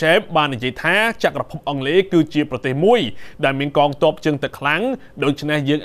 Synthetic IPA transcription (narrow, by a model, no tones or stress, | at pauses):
ɛːm̚ɓaːnːijiəjt̪ʰaːt͡ɕaʔkrɑpʰup̚ʔɑŋleːkɨːt͡ɕiəprɑt̪eːhmuəjɗaɛlmiənkɑːŋt̪ŏəp̚t͡ɕɨəŋt̪ɨkʰlaŋ | ɗoːc̚t͡ɕʰnehjəːŋʔ